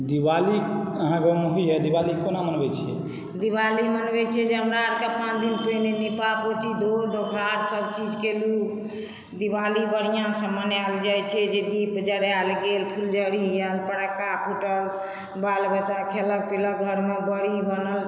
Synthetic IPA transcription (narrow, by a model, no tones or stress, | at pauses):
d̪ibali | əɦãkemoɦiɦɛd̪ibalikonamənbɛt͡ʃʰɛ | d̪iβalimənbɛt͡ʃʰɛd͡ʒeɦəmɾaɾkapãt͡ʃd̪inpənenipapot͡ʃid̪ʱod̪oɡʱaɾsəbt͡ʃid͡ʒkelu | d̪iβalibəɽijãsə̃mənald͡ʒajt͡ʃʰɛd͡ʒed̪ipd͡ʒəɽjalɡelpʰuld͡ʒəɽijəlpəɽəkːapʰuʈəl | balbət͡ʃakʰelək̚pilək̚ɡʱəɾmebəɽibənəl